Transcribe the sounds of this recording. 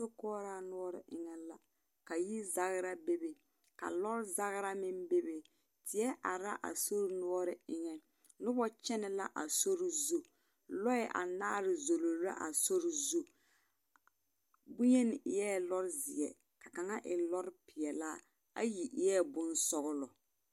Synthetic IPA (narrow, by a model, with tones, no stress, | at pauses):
ʊ˦kɔː˦ɾaː˦nʊ˦ɔ˦ɾɪ̰˨ʔɪ˦ŋɛ˦la˦ | ka˨ji˦za˦ɣɪ˦ɾa˦be˦be˨ | ka̰˨lɔ˦ɾɪ˦za˦ɣɪ˦ɾa˦mɪ˦mbe˦be˨ | tɪ˨ɛ˦ʔa˨ɾa˦ʔa̰˨so˦ɾɪ˦nʊ˦ɔ˦ɾɪ˦ɪ˦ŋɛ˨ | nʊ˦bɔ˦t͡ʃɛ˦nɛ˨la˦ʔa˨so˦ɾɪ˦zu˦ | lɔ˦ɛ˨ʔa̰˨naː˦ɾɪ˨zo˨lo˨˦a̰˦ʔa̰˨so˦ɾɪ˨zu˦ | bʊ˦je˦nɪ˨ʔɪ˨jɛ˦˨lɔ˦ɾɪ˦zɪ˨ɛ˨ | ka˨ka˨ŋa˦ʔɪ˨lɔ˦ɾɪ˦pɪ˨ɛ˨la˦ | a̰˦ji˨ʔɪ˨˦jɛ˦˨bʊ˦nsɔ˦ɣʊ˦lɔ˨